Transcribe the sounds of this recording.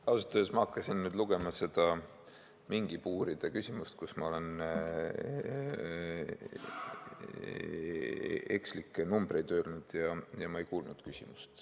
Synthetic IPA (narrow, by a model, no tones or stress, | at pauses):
ɑwsɑt̪ːˑøesmɑɑkːˑɑsinnyːd̪luɡ̥e̞mɑse̞d̪̥ɑ | miŋɡ̥ipuːɾid̪̥ɑkysʲimust̪kusmɑo̞le̞n | e̞̰kslikːˑenumb̥ɾe̞jd̪øːlnud̪̥jɑjɑmɑejkuːlnud̪̥kysʲimust̪